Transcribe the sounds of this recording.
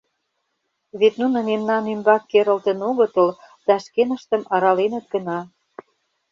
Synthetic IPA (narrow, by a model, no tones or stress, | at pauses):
βet̪nunɤ̆memnɑnymbɑk̚keɾə̆lt̪ə̆noɣə̆t̪ə̆l | d̪̥ɑʃkenə̆ʃt̪ə̆mɑɾɑlenə̆t̪̚ɡə̆nɑ